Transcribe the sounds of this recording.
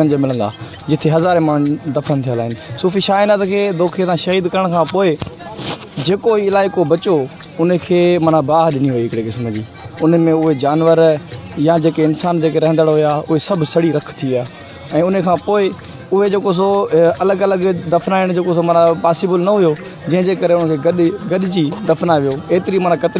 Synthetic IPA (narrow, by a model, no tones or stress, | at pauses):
ənɪd͡ʑomɪlə̃nd̪a̰ː | d͡ʑɪt̪ʰeɦɐzaːɾẽməɳ̃d̪ɐfənt̪ʰijalaːɦɪnɪ̆suːfiʃaːɪnat̪kʰeːd̪oːkʰiet̪ʰãʃɐɦiːd̪kɐɾəɽ̃kʰãːpoːɪ | d͡ʑeːkoiɪlaːɪkobɐt͡ɕo | ʊnəkʰeːmɐnãbaːɦɗɪniɦʊiɦɪkɪɽekɪsmd͡ʑḭː | ʊn̆mẽʊɦed͡ʑaːnʋəɾjad͡ʑeːkeɪnsaːnd͡ʑeːkeɾɐɦə̃nd̪əɽɦʊjaːʊɦesɐbʱɪsɐɽiɾɐkʰt̪ʰiaː | ɛ̃ːʊnəkʰãːpoːɪ | ʊɦed͡ʑeːkos̬oɐləɡɐləɡd̪ɐfnaːɪɽ̃d͡ʑeːkos̬omɐnãpaːsɪbəlnɐɦʊjo | d͡ʑɐ̃ɦɪ̃d͡ʑeːkɐɾeʊnəkʰeːɡɐɗɡɐɗɪd͡ʑid̪ɐfnaʋijoeːt̪ɪɾimɐnakɐt̪ɪ